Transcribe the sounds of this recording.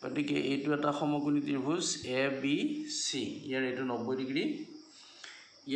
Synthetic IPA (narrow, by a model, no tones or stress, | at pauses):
ɡotikɛ̰ʔejtʊɛtaxɔmɔkunitiɹbʱuzɛbisiijaɹejtʊnɔbojdiɡɹi | ij